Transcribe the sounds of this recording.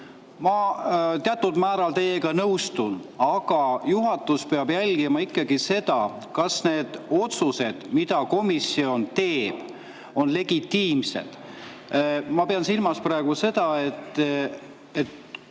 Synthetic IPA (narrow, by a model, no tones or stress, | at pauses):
mɑt̪eɑt̪ːˑud̪mæːɾɑlt̪e̞jeɡ̥ɑnɤwst̪unɑɡ̥ɑjuɦɑt̪ːˑuspeɑb̥jælʲɡ̥imɑikːˑɑɡ̥ise̞d̪̥ɑ | kɑsne̞ːd̪̥o̞t̪suse̞d̪̥mid̪̥ɑko̞misio̞nt̪e̞ːb̥ | o̞nle̞ɡ̥it̪ːiːmse̞̰d̪̥ | mɑpeɑnsilmɑsprɑæeɡ̥use̞d̪̥ɑe̞t̪ˑː | et̪